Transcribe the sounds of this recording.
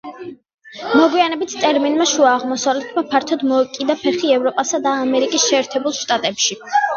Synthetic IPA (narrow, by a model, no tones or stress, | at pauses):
mɔɡwianɛbit̪ʰt̪ʼɛɾminmaʃuaːʁmɔsavlɛt̪ʰmapʰaɾt̪ʰɔd̪mɔɛkʼid̪apʰɛχiɛvɾɔpʼasad̪aːmɛɾikʼisʃɛːɾt̪ʰɛbulˠʃt̪ʼat̪ʼɛpʃi